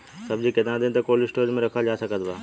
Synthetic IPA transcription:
sɐbd͡ʑiked̪ãd̪ẽnt̪ɐkoːlɪsʈoːɾmẽɾɐkʰad͡ʑaːsɐkʰəd̪ʋaː

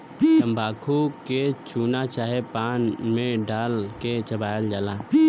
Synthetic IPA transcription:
t͡ʃəmbʱaːkʰuket͡ʃuːnat͡ʃaːɦepaːnmẽɖaːlket͡ʃəbaːjəld͡ʒaːlaː

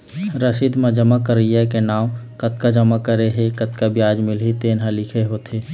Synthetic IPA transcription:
ɾəsiːd̪mə̃d͡ʒəmakəɾijakenaːwkət̪̚kad͡ʒəmakəɾeɦekət̪kabjaːd͡ʒmɪlɦit̪eːnɦalɪkʰeɦot̪eː

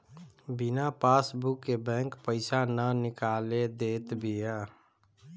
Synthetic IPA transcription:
bɪnapaːsbʊkːebɛ̃ːŋkpəɪsanənɪkaːled̪eːt̪bʱiɛː

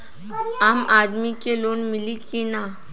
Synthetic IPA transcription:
amad̪mikelonmilikina

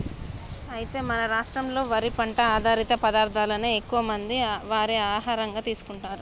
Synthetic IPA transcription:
ɐjit̪e̞ːmɐnɐɾaːʂʈɾɐmlo̞ːʋɐɾipɐɳʈɐaːd̪ʱaːɾit̪ɐpɐd̪aːɾd̪ʱaːlɐneːekːuʋɐmɐnd̪iʋaːɾeaːɦaːɾɐŋɡaːt̪iːsu̥kuɳʈaːɾu

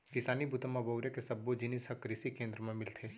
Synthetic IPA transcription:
kɪsaːnibʱʊt̪əmabɐʊɾjekesɐbːod͡ʒɪnisɐkɾɪsikẽːnd̪ɾəmẽmɪlt̪ʰeː

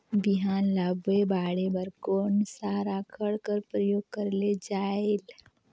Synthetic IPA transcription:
biɦaːnlaːbwebaːɽebəɾkoːnsaɾakʰəɽkəɾpɾəjoːɡ̚kəɾled͡ʒaːel

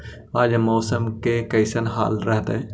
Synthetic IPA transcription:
aːd͡ʒmoːsəmkekɐɪsənɦa̰ːlɾəɦt̪ː

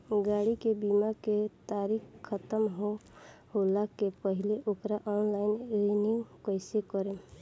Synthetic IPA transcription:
ɡaɽikebimaket̪aɾikʰːət̪əmɦoholakepəɦɪleʔokɾaʔɔːnlaɪnenikəɪsekəɾe

